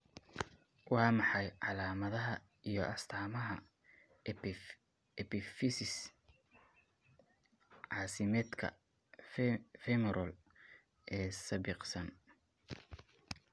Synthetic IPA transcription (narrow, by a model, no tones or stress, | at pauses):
wɑːmɑħɑjʕɑlaːmɐðɐɦɐ | ijɞʔɐst̪ʰaːmɐɦɐ | ɛpʰɪfɪsɪs | ʕɑːsɪmɛːd̪kʰɐ̰ | ffɛmɛɾɐl | ʔɛːsɐbɪqsɐn